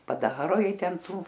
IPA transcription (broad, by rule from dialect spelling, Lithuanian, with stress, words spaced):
pɐˈdɑːroː ˈjɛɪ ˈtʲɛnˈtuː